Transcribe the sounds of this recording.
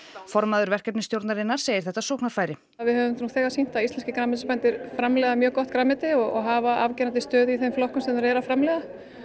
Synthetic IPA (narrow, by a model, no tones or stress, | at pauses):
fɔɾmaðʏɾvɛr̥kɛpnɪst̪jowɾt̪naɾɪnaɾ̥seːjɪɾθɛht̪ːasohknaɾ̥faːjɾɪ | vɪðhœːvʏmuːɣθɛːɣasin̥t̪aist̪lɛnscɪkɾamɛt̪̬ɪspɛnt̪ɪɾ̥fɾamlɛɣðamjœːkɔht̪̚kɾamɛt̪ɪɔɣɔɣɦavaa̰vcɛnant̪̬ɪst̪œːðiθejmflɔhkʏmsɛmnaɾɛɾafɾamlɛɣða